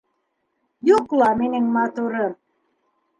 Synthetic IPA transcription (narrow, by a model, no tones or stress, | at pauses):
joklɑmenĕŋmɑt̪uɾɤr